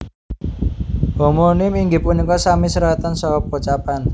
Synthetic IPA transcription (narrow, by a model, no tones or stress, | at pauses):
homonɪmiŋɡɪpunikɔsamisəɾat̪ansɔp̚ːot͡ʃapan